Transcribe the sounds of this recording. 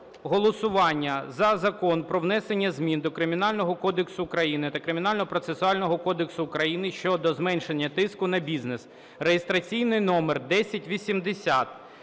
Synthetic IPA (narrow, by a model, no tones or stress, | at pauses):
ɦɔlˠɔsʊʋɑnʲːɐzɐzɐkɔnpɾɔʋnɛsenʲːɐzʲmʲind̪ɔkɾɪmʲinɑlʲnɔɦɔkɔd̪eksʊːkɾɐjinɪt̪ɐkɾɪmʲɪnɑlʲnɔɦɔpɾɔt̪sesʊɑlʲnɔɦɔkɔd̪eksʊːkɾɐjinɪʃt͡ʃɔd̪ɔzmɛnʲʃenʲːɐt̪ɪskʊnɐbʲiznes | rejest̪ɾɐt͡sʲijnɪjnɔmerd̪ɛsʲɐtʲʋʲisʲimd̪esʲat̪̚